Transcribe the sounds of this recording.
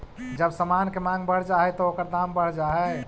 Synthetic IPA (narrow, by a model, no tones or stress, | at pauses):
d͡ʒəbsəmankemãŋɡbəɽ̤d͡ʒaɦɛt̪ɔokəɾd̪ambəɽ̤d͡ʒaɦɛ